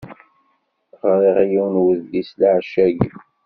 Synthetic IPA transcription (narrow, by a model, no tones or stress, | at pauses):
ʁɾˤiʁjiwnwəðdislʕʃːæɡ